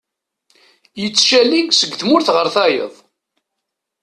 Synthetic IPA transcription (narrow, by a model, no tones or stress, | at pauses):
jət͡sːʃæliɡsəɡːθmʊɾθʁəɾθɑjə̰ðˤ